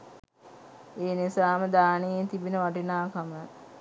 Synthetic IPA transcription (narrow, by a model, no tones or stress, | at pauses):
eːnisaːməd̪aːnejet̪ibinəʋaʈinaːkamə